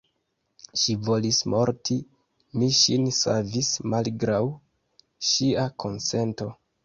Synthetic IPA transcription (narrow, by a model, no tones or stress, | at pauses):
ʃivo̞lismo̞ɾtʰi | miʃinsa̰vismalɡɾaw | ʃiakʰo̞nse̞nto̞